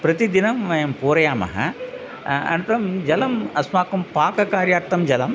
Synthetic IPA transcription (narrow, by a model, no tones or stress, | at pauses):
pɾɐt̪id̪inɐmʋɐjɐmpoːɾɐjaːmɐ̰ɦɐ̰ | ɐ̰nt̪ɐɾɐmd͡ʒɐlɐmɐsmaːkumpaːkɐkaːɾjaːɾt̪ɐmd͡ʒɐlɐm